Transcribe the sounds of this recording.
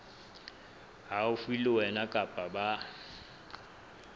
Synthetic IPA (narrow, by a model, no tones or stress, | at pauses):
ɦaufiliwɛnakʼapʼaɓa